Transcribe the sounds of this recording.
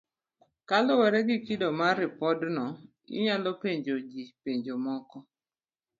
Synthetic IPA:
kalɔwɛɾɛɡɪkidɔmaɾɪpɔdnɔ | ɪ̰ɲalɔpeɲd͡ʒod͡ʒipeɲd͡ʒomɔkɔ

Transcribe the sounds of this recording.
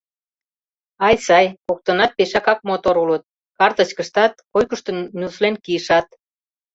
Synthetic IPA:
ɑjsɑjkok̚t̪ə̆nɑt̪̚peʃɑkɑk̚mot̪oɾulət̪̚ | kɑrt̪ə̆t͡ɕkəʃt̪ɑt̪kojkəʃt̪ɤ̆nnʲuslenkiəʃɑt̪

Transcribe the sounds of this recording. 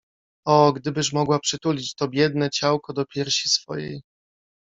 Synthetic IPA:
ɔɡd̪ɘbɘʂ̬mɔɡwapʂɘt̪ulʲit͡ɕt̪ɔbʲjɛd̪nɛt͡ɕawkɔd̪ɔpʲjɛɾɕisfɔ̰jḛj

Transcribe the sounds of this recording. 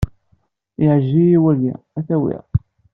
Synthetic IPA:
ɪʕəʒːijiwælæ̰ | æθæwḭʁ

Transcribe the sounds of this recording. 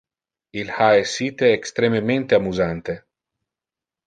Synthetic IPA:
ilhaesːiːt̪eːkst̪ɾememẽnt̪eamuzant̪e

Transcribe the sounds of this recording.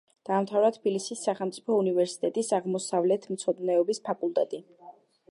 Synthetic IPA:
d̪̥aːmt̪ʰavɾat̪ʰbilisisːaχɛlˠmt̪sʼipʰɔunivɛɾsi̥t̪ʼɛt̪ʼisaʁmɔsavlɛt̪ʰmt̪sʰɔd̪nɛɔbispʰakʼulˠt̪ʼɛt̪ʼi

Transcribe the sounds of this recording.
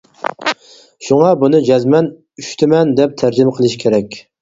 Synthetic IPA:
ʃuŋɑbunɨd͡ʒɛzmɛn | yʃt̪ʰɪmɛnd̪ɛp̚t̪ʰæɾd͡ʒɪmqʰəlˠɨʃkʲʰeɾɛkʲ

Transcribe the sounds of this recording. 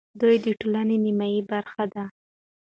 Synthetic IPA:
d̪ujd̪əʈolanenimajibaɾxad̪a

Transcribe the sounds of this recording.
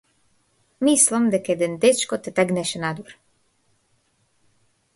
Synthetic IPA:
mislˠɔmd̪akɛd̪ɛnd̪et͡ʃkot̪ɛt̪ɛɡnɛʃɛnad̪oɾ

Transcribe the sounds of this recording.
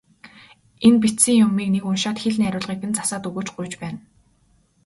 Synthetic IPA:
enp̬it̪siːŋjʊmiːknekʊnʃaːt̪xeɮniæɾʲʊːɮʁiːkɘ̆nt͡sḁsaːt̪ɵɣɵ̥ːt͡ɕɢʊjt͡ɕpæːn

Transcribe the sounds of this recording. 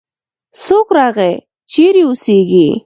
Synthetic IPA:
sokɾɑɣe | t͡ʃiɾiʊsiɡi

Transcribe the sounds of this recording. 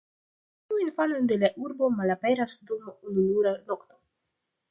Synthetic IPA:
tiuinfano̞nde̞laʔuɾbo̞malape̞ɾasdumunuluɾano̞kt̪o̞

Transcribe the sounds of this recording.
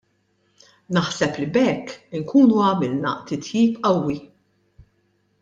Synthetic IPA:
nɐħsɛplibɛkːɪŋkuːnuɐmɪlnɐ̰t̪ɪt̪jiːpɐwːi

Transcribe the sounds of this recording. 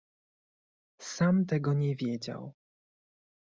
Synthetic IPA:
samt̪ɛɡɔɲɛvʲjɛd͡ʑa̰w

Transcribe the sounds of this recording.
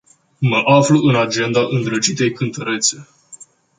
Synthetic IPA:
məʔafluʔɨnad͡ʒe̞nd̪aʔɨnd̪ɾət͡ʃit̪e̞jkɨnt̪əɾe̞t̪se̞

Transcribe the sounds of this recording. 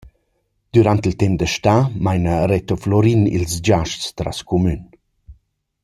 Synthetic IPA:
d̪̥yɾant̪ilt̪ɛmd̪əʃt̪amajnəɾɛt̪oflɔɾinḭlsd͡ʒaʃst̪ɾa̰skumyn

